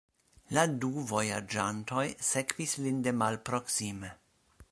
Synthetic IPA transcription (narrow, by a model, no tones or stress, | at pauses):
laduvo̞jad͡ʒanto̞jse̞kv̥islinde̞malpɾo̞ksime